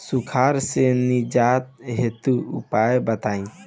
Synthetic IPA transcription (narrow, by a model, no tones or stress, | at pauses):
sukʰaɾsenid͡ʒat̪ɦet̪uṵpajebət̪aĩ